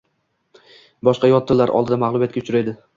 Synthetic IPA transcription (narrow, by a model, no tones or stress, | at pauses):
bɒʃqɑjɒt̪ʰːɪlːaɾʔɒ̰lˠd̪ɪd̪amaʁlˠʊbjat̪kʲaʊt͡ʃʰʊɾed̪ɪ